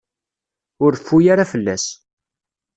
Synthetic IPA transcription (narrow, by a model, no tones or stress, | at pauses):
ʊɾfːujaɾafəlːæ̰s